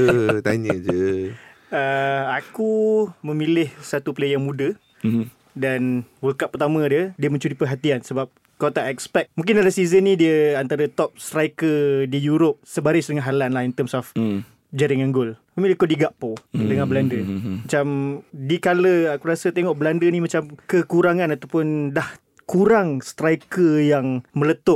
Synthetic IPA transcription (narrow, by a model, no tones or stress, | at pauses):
ət̪aɲəd͡ʒə | əakumə̃milɪhsat̪uplejaŋmũdə | danwəlkaʔ̚pət̪amə̃diədiəmə̃ɲt͡ʃuɾipəɦat̪iansəbap̚ | kot̪aʔɛkspɛk̚mũŋkɪndalasizənːĩdiəant̪aɾət̪ɔp̚st̪ɾajkədijuɾʊp̚səbaɾɪsdəŋanɦalanlahint̪əmsɔf | d͡ʒaɾiŋaŋɡʊlkɔmilikodiɡaʔpodəŋanbəlandəmat͡ʃamdikaləakuɾasət̪eŋɔʔbəlandənĩmat͡ʃamkəkuɾaŋãnat̪awpʊndah | kuɾaŋst̪ɾajkəjaŋmə̃lət̪ʊʔ̚